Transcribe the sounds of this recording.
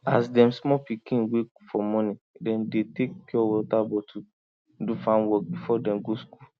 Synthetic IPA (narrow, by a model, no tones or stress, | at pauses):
a̰sdɛ̃msmɔpikĩnwekfɔmɔ̃nĩdɛ̃ndetekːɔwɔtabɔtʰu | dufãnwɔk̚bifɔdɛ̃mɡosku